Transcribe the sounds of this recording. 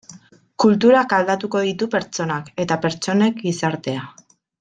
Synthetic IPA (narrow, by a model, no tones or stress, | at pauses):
kult̪uɾakald̪at̪uko̞ð̞it̪upe̞ɾt͡ʃo̞nake̞t̪ape̞ɾt͡ʃo̞ne̞kɡisaɾt̪e̞a